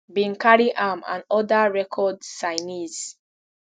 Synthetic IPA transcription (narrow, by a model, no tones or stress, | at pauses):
bĩnkaɹiʔamã̰nɔdaɹɛkʰɔdsaɪniz